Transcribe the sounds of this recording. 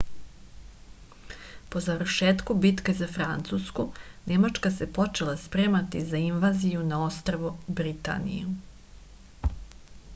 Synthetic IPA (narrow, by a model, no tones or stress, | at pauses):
po̞zaʋrʃeːt̪kubit̪kezafɾant̪suskune̞mat͡ʂkasepo̞t͡ʃe̞lˠaspɾeːmat̪izainʋazijunao̞st̪ɾoʋubɾit̪a̰nḭju